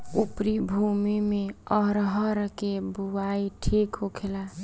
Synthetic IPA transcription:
upɾibʱumimeɔɾɦəɾkebuaiʈʰikɦokʰela

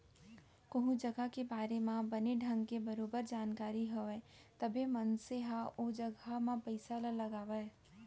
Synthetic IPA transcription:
kɐɦũd͡ʒɐɡakebaːɾemãbɐneɖʱɐ̃ŋɡkebɐɾoːbəɾd͡ʒaːnkaːɾiɦoɛ | t̪ɐbʱemɐnseɦaʔod͡ʒɐɡamãpəɪsalalɐɡaːʋa

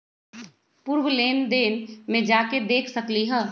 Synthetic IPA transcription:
puːɾʋleːnd̪eːnmẽd͡ʒaːked̪eːkʰsɐkliɦə

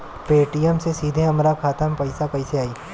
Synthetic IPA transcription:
peːʈijəmsesiːd̪ʱeɐmɾakʰaːt̪əmpɐɪsakɐɪseaːiː

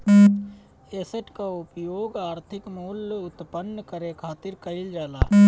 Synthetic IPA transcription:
eːsəʈkaʊpjoːɡaːɾt̪ʰɪkmuːlʊt̪pənːkəɾekʰaːt̪ɪɾkəɪld͡ʒaːla̰ː

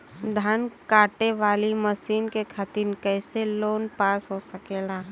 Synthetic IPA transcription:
d̪ʱankaːʈeʋaːliməsiːnkekʰat̪inkɛːseloːnpaːsɦosɐkeːlaː

